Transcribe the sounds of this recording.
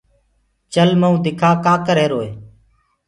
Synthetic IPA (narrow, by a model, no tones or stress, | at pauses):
t͡ʃəlməũːd̪ɪkʰaːkaːkəɾeːɾoːeː